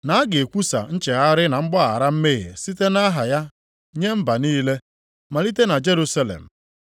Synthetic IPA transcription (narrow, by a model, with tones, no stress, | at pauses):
na˨˦ɡe˨kʷu˦sa̰˨n̩˦t͡ʃe˨ɣa˦ɾɪ˦na˨ŋ͡m̩˦ɡ͡bɔ˦a˨ɾa˦m̩˦me˦ɣɪ̰˨si˦te˦na˦ɦa˨ja˦ | ɲe˦m̩˦ba˨niː˦le˦ | ma˨li˦te˦na˨d͡ʒe˦ɾu˦sa˦lḛ˨m̩˨